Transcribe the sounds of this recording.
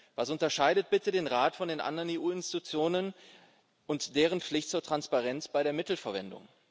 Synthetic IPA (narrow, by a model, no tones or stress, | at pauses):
vasʊntɐʃaɪdət̚b̥ɪtədeːnʁaːtfɔndeːnʔa̰ndɐʁəneːʔuːɪnsti̥tut͡sjoːnən | ʔʊntd̥eːʁ̞ənp͡flɪçt̚t͡suːɐtʁ̥anspaʁɛnt͡sb̥aɪɾeːɐmɪtl̩fɛɐvɛndʊ̰ŋ